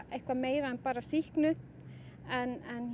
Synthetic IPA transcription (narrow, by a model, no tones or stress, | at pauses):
ejhkvameːjɾaɛnpaːɾasihknʏ | ɛnɛn